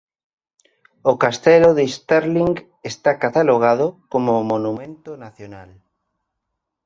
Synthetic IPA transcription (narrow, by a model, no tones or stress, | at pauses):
okast̪ɛloðest̪eɾliŋɡ | est̪akat̪aloɣ̞aðokomomonumẽnt̪onaθjonal